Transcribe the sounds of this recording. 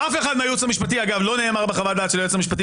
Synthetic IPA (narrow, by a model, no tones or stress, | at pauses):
ʔafe̞χad̪meajut͡samiʃpat̪̬iaɡavlo̞ne̞ːmaʁbeχavald̪aːt̪ʃelajut͡samiʃ̬pat̪̬i